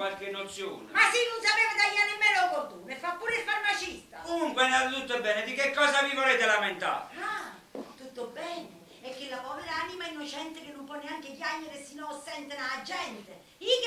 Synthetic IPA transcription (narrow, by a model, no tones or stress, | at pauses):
walkenːot̪sːjo̰ːnmasinːʊnsapeːvad̪aiːanɪmːɛːlokot̪unefːapːuːɾesfaɾmat͡ʃist̪akomuŋkwenad̪ot̪ut̪ːebːɛːned̪ikekːɔːsavivoleːt̪elament̪a̰ːɾa | t̪ut̪ːobːɛːnɪ | ɛkːelːapɔːveɾaaːnimainːot͡ʃɛnt̪ɪk̟ɪnːʊmpwɔnːeaŋk̟ɪkjaɲːeɾesinɔsɛnt̪enaːd͡ʒːɛnt̪ɪ | ik